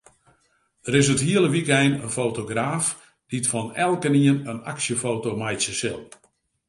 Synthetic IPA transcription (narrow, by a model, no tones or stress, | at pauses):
dəɾɪs̬əthiəlˠəʋikɛjnənfotoɡraːf | d̥itfɔnɛlˠkəniənəna̰ksjəfoːtowmajtsjəsɪlˠ